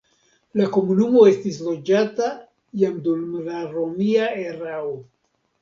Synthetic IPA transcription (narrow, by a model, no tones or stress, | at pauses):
lako̞munumo̞e̞stislo̞d͡ʒata | jamdulmalaɾomiaeɾao